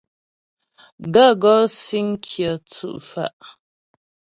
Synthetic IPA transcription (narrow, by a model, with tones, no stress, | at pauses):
ɡa˦˨ɡɔ˦si˦ŋ̩˦kʰjə˨t͡sṵ˦˨ʔfa̰˨ʔ